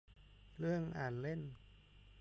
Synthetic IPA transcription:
lɯ˥˩əŋʔaː˨˩nle˥˩n

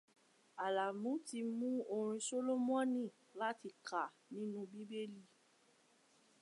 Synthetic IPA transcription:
a˨la˨mũ˨˦ti˧mũ˦o˧ɾ̃ĩ˧so˦lo˦mũ˦ɔ̃˦nĩ˦˨ | la˦ti˧kʰa˨ | nĩ˨˦nũ˦bi˦be˦li˦˨

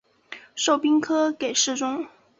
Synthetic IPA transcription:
ʂo˥˩ʊpi˥ŋkʰɤ˥ke˨˩ɪʂɻ̩˥˩ʈ͡ʂʊ˥ŋ

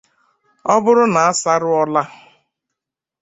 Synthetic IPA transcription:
ɔ˦bʊ˦ɾʊ˦na˨a˦sa˦ɾʊ˦ɔ˦la˦

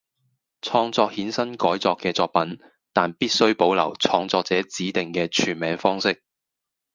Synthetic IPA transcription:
t͡sʰɔː˧ŋt͡sɔː˧k̚hiː˨˥nsɐ˥nkɔː˨˥jt͡sɔː˧kːɛː˧t͡sɔː˧k̚pɐ˨˥n | t̪aː˨npiː˥t̚sɵ˥ɥpo˨˥wlɐ̰˨˩wt͡sʰɔː˧ŋt͡sɔː˧k̚t͡sɛː˨˥t͡siː˨˥t̪ɪ˨ŋkɛː˧t͡ʃʰyː˨˩nmɛː˨˥ŋfɔː˥ŋsɪ˥k̚

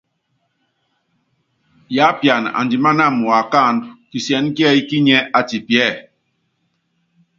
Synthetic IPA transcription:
ja˨˦pja˨na̰˨ndi˨ma˦na˦˨mu˨a˨ka˦˨ndki˨sjɛ˨˦n˦ki˦ɛ˦i˦ki˦ɲɛ˦ʔa˨ti˨pjɛ˦˨

